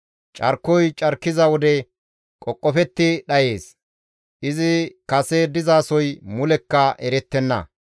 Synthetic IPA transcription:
t͡ʃʼɐɾkːɔjt͡ʃʼɐɾkːɪzɐwɔd̪ɛ | kʼɔkʼːɔfɛt̪ːɪɗɐje̞ːs | ʔɪzɪkɐsɛd̪ɪzaːsɔjmʊlɛkːɐʔɛɾɛt̪ːɛnːɐ̰

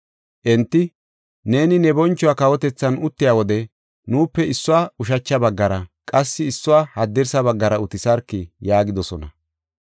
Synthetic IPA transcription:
ʔɛnt̪ːɪ | ne̞ːnɪnɛbɔnt͡ʃːʊwaːkɐwɔt̪ɛt͡sːɐnʊt̪ːɪjaːwɔd̪ɛ | nuːpːɛɪsːʊwaːʊʃ̬ɐt͡ʃːɐbɐɡːɐɾɐkʼɐsːɪːsːʊwaːhɐd̪ːɛɾsɐbɐɡːɐɾɐʊt̪ɪsɐɾkːɪjaːɡɪd̪ɔsɔnɐ

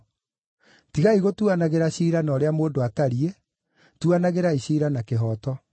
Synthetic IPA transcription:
tiɣaiɣotuanaɣeɾaɕiːɾanɔːɾeamoːndoataɾie | tuanaɣeɾaiɕiːɾanakeɦɔːtɔ

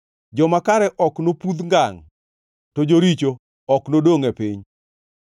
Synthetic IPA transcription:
d͡ʒɔmakaɾɛʔɔknopud̪ŋɡaŋ | tod͡ʒoɾit͡ʃo | ɔknodoŋepɪɲ

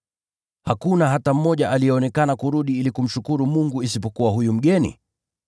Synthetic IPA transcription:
hakunaɦatam̩ːɔʄaʔalijɛɔnɛkanakuɾuɗiilikum̩ʃukuɾumuŋɡuisipɔkuwahujum̩ɠɛnḭ

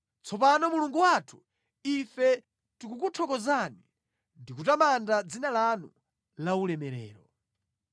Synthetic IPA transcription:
t͡sʰɔp̬anɔmuluŋɡuwatʰu̥ | ifɛ | tikukutʰɔkɔzani | ndikutamandad͡zinalanu | laulɛmɛɾɛ̰ːɾɔ

